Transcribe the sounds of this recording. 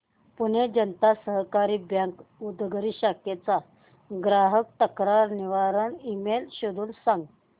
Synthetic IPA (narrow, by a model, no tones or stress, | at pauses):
puɳ̤ed͡ʑənt̪asəɦkaɾiːbjaŋkud̪ɡəɾiːɕaket͡sa | ɡɾaɦək̚t̪əkɾaɾniʋaɾəɳimelɕod̪uːnsãŋɡ